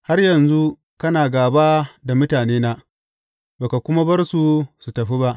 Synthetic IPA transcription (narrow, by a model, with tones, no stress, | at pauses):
ha˦rjɐ˨nzu˦ | kɐ˦naː˨ɡaː˨ba˦da˨mʊ˦taː˨neː˦naː˦ | baː˨ka˨kʷʊ˦ma˦bɐ˦rsu˦su˨tɐ˨ɸi˦ba˦ʔ